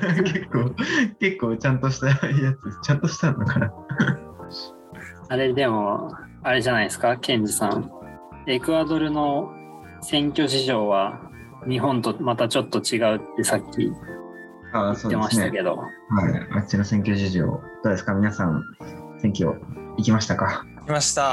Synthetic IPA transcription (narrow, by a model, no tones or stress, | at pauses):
kekːoːke̞kːoːt͡ɕãnt̪o̞ɕi̥t̪ajat͡sɨt͡ɕãnt̪o̞ɕi̥t̪anːokana | aɾe̞d̪e̞mo̞ | aɾe̞ʑanaisɨ̥kakẽ̞ɲd͡ʑɨsã̰ŋ | e̞kɯ̟ad̪o̞ɾɯ̟no̞ | sẽ̞ŋkʲo̞ɕ̬iʑo̞ːβa | ɲ̟iɦõ̞nt̪o̞mat̪at͡ɕo̞t̪ːo̞t͡ɕiɡaɯ̟t̪ːe̞sakʲːḭ | aːsoːd̪emaɕiit̪ake̞d̪o̞̰ | haḭat͡ɕinosẽ̞ŋkʲo̞ɕiʑo̰ːd̪̥o̞ːd̪esɨ̥kamʲinasãñsẽ̞ŋkʲo̞̰ikʲimaɕi̥t̪akaikʲimaɕi̥t̪a